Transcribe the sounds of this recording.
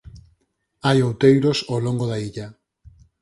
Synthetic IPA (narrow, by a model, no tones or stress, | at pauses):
ajowt̪ejɾosowloŋɡoðaiʎa